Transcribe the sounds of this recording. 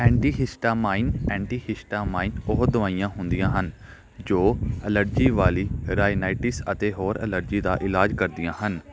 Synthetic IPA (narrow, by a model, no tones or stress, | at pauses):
ɛ̃ːɳʈiːɦɪsʈaːmaːɪnɛ̃ːɳʈiːhɪsʈaːmaːɪnʊɦd̪ʊʋaːijãːɦʊ̃nd̪ijãːɦən | d͡ʒoːələɾd͡ʒiːʋaːliːɾaːjnaːɪʈɪsət̪eːɦoːɾə̰ləɾd͡ʒiːd̪a̰ːʔɪlaːd͡ʒkəɾd̪ijãːɦən